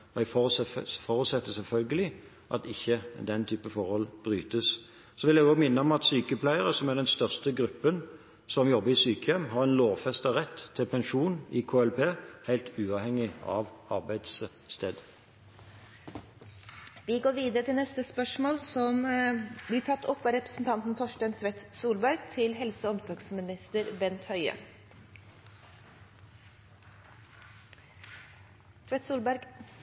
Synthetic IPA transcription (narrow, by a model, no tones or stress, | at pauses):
ɛfɔfɔʁʉt̪sɛt̪ːəsɛlfœlɡəlɪ | ʔɑt̪ɪçːəd̪ɛnt̪ʰyːpəfɔʁhɔlb̥ʁyːt̪əs | sɔʋɪljæɡomɪnːəɔmɑt̪syːkəpʰlæɪəʁəsɔmæʁd̪ɛnst̪œʁst̪əɡɾʉpːən | sɔmjɔbːəɾɪsyːkəjɛmɦɑʁɛnloːʋfɛst̪ɑʁɛt̪ʰːɪlpʰɛnʃuːnɪkʰoːɛlpʰeːhæɪlt̪ʰʉːɑːʋhɛŋːɪɑ̰ʋɑʁbæɪd̪s | st̪ʰeːd̪ | ʋɪɡoːɾʋiːd̪əɾət̪ʰɪlnɛst̪əspœʂmoːlsɔmblɪːt̪ʰɑt̪ːɔpːʋɑːɾɛpɾəsn̩t̪ʰɑnt̪n̩t̪ʰɔʃʈænt̪ʰʋɛt̪suːlbæɾɡt̪ʰɪlɦɛlsəɔmsɔɡsmɪnɪst̪əɾbɛnt̪hœʏə̰ | t̪ʰʋɛt̪suːlbæɾɡ